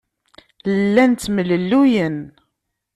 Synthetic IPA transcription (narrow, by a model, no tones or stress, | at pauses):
ləlːænt̪ːməlːəlːujən